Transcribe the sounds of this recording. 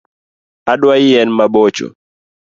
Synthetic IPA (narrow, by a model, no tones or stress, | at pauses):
aɗwaijɛnmabɔt͡ʃɔ̰